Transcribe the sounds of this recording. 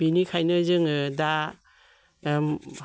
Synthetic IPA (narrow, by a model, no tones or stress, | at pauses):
b̥inikʰajnɯzɯŋɯda